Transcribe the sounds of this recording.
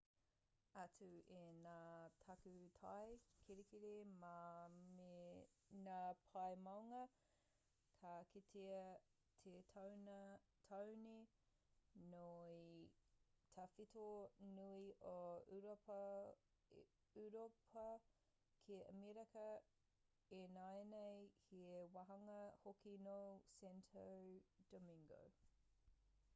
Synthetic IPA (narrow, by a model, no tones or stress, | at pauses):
ɐt͡sʉenaːtʰɐkʉtʰɐjkʰiɾekiɾemame | naːpʰɐjmɐwŋɐ | kʰakitʰeɐ | tʰetʰawn | tʰɐwni | noi | tʰɐfitonuiʔouɾop | uɾopʰɐ | kʰeə̰miɾɐkɐ | enaenejhiewɐɦɐŋɐhokinosɛntʰowd̥omiŋɡo̰w